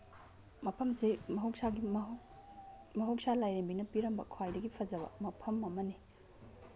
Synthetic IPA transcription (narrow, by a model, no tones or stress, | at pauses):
mɐpʰɐmsimɐɦɐwk̚saɡi | mɐɦɐwk̚salajɾembinɐpiɾɐmbɐ̰kʰwajdɐɡipʰɐzɐbɐ̰mɐpʰɐmɐmɐni